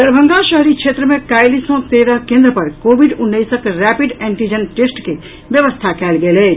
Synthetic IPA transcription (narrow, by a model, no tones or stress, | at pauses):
d̪əɾbʱə̃ŋɡaʃəɦɾikʃʰeːt̪ɾəmẽkaːjlisõt̪eːɾəkẽːnd̪ɾəpɐɾkoːʋɪɖʊnːəisəkɾɛːpɪɖɛ̃ːɳʈid͡ʒənʈeːsʈke | ʋjəʋəst̪ʰakɛːlɡɐlɛː